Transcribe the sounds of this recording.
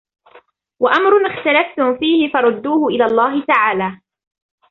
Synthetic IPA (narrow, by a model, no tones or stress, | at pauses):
waʔamɾʊnɪxt̪alaft̪ʊmfiːhɪfɑɾˤʊd̪ːuːhʊʔɪlaːlˤːɑːɦɪt̪aʕaːlaː